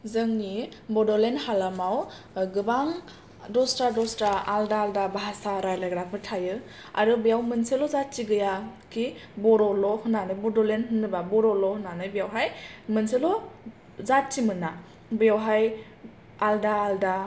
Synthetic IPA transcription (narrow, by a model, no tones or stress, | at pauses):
zɯŋnibɔdɔlenhalamaw | ɡɯbaŋ | dɔstadɔstaaldaːldabaɦasaɾajlaɡɾapʰɯɾtʰajɯ | a̰ɾɯbijawmɯnselɔzatt͡ʃiɡɯjakibɔɾɔlɔhɯnanɯjbɔdɔlenhɯnːɯbabɔɾɔlɔhɯnanɯjbijawɦajmɯnselɔ | zatt͡ʃimɯna | bɯjawɦaj | aldaːlda